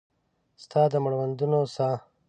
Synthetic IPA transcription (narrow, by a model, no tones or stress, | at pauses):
st̪ʰɑːd̪əmʊɽwand̪unosa